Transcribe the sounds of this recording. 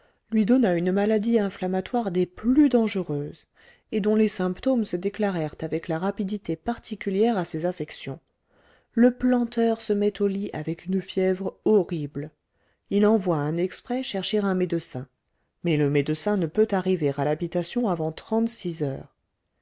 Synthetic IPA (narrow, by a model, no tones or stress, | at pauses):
lɥid̪ɔnaynmalad̪iɛ̃flamat̪waʁd̪eplyd̪ɑ̃ʒəʁøz | ed̪ɔ̃lesɛ̃pt̪omsəd̪eklaʁɛʁt̪avɛklaʁapid̪it̪epaʁt̪ʰikʲyljɛʁasezafɛksjɔ̃ | ləplɑ̃t̪œʁsəmɛt̪oliʔavɛkynfjɛvʁɔʁibl | ilɑ̃vwaɛ̃nɛkspχɛʃɛʁʃeʁɛ̃med̪əsɛ̃ | mɛləmed̪əsɛ̃nəpøt̪aʁiveʁalabit̪asjɔ̃avɑ̃t̪χɑ̃t̪sizœ̰ːʁ